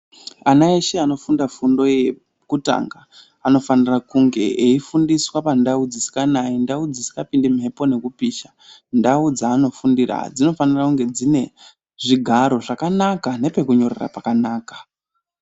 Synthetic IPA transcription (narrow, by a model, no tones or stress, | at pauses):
anaeʃeano̞fundafundo̞je | kuta̰ŋɡa | ano̞fanirakuŋɡe̞̰ʔeifundiswapandaud͡zisi̥kanaindaud͡zisi̥kapindemɦe̞po̞ne̞kupiːʃa | ndaud͡zaːno̞fundira̰d͡zino̞fanirakuŋɡe̞d͡zine̞ | ʐiɡʱaɾo̞ʐakanakane̞pe̞kuɲo̞rḛra̰pakanaːkḁ